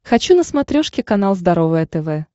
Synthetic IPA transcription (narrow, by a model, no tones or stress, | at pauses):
xɐt͡ɕunəsmɐt̪ɾʲoʂkʲɪkɐnalˠzd̪ɐɾovɨjət̪ɛvɛ